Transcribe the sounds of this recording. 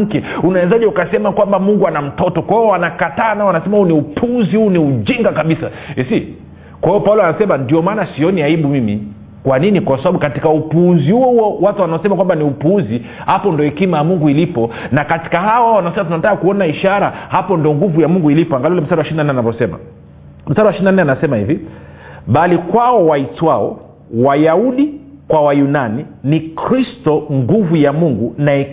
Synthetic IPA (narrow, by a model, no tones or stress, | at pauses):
kɛunawɛzaʄɛukasɛmakwambamuŋɡuanam̩tɔtɔkwahiɔwanakataːnaɔwanasɛmahuniupʰuzihuːniud͡ʒiŋɡakaɓisaɛsi | kwahiɔpaulɔanasɛmandiɔmaːnasiɔniaiɓumimḭ | kwaninikwasaɓaɓukatikaupuuzihuɔhuɔwatuwanaɔsɛmakwambaniupuuzi | hapɔndiɔɛkimajamuŋɡuilipɔnakati̥kaɦaɔawanasɛmat̬unatakakuɔnaiʃaɾahapɔndiɔŋɡuvujamuŋɡuilipɔaŋɡaliulɛm̩saɗawaʃiɾinanɛanavɔsɛma̰ | m̩saɾawaʃiɾinanɛanasɛmahḭvi | ɓalikwaɔwaitwaɔ̰ | wajauɗikwawajunaninikɾistɔŋɡuvujamuŋɡunaɛ